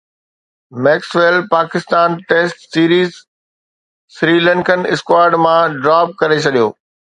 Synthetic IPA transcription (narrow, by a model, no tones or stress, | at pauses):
mɛːksʋelpaːkɪst̪aːnʈeːsʈsiːɾiːz | sɾiːlɛ̃ŋkənɪskwaːɾɖmãɖɾaːp̚kɐɾet͡ɕʰɐɗijoː